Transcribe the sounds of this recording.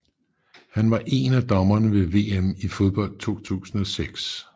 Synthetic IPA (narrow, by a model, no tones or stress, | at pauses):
hænʋɑ̈ʔe̝næd̥ɒ̽mɐnəʋe̝ʋe̝ːemifo̝ð̞ˠb̥ɒ̽l̰d̥̚t͡sʰo̝̰ːt͡sʰṵːsn̩ɒ̽seɡ̥s